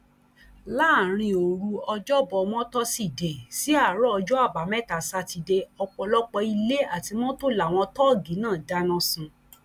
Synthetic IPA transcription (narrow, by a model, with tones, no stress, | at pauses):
laː˦˨ɾ̃ĩ˧o˨ɾu˧ɔ˧d͡ʒɔ˦bɔ˧mɔ̃˦tɔ˦si˦˨de˨si˦a˦˨ɾɔ˦ɔ˧d͡ʒɔ˦a˦˨ba˨˦mɛ˦˨ta˨sa˧ti˧de˧ɔ˧k͡pɔ˧lɔ˦k͡pɔ˧i˧le˦a˦˨ti˧mɔ̃˦to˦la˨w̃ɔ̃˧tɔ˦˨ɡi˨˦nãː˦˨da˦nɔ̃˦sũ˧